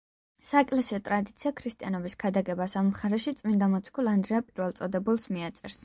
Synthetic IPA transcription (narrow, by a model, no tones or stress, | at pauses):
saɛkʼlɛsiɔt̪ʼɾad̪it̪sʰiakʰɾist̪ʼianɔbisɡʰad̪aɡɛbasammχaɾɛʃit̪sʼmind̪amɔt̪skʰulˠand̪ɾɛapʼiɾvɛlˠt̪sʼɔd̪ɛbulˠsmiat̪sʼɛɾs